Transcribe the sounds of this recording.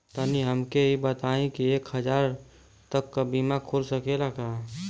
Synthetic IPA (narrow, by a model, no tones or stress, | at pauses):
t̪aniɦəmkeibət̪aːẽkieːkhəd͡ʒaːɾ | t̪əkːabiːmãkʰoɾsəkelakaː